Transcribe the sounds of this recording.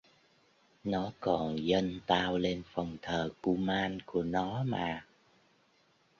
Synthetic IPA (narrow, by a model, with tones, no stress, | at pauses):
nɔ˨˦kɔ˨˩nzə˧nt̪aː˧wle˧nfɔ˨˩wŋ͡mt̪ʰəː˨˩ku˧maː˧nku˧˩ənɔ˨˦maː˨˩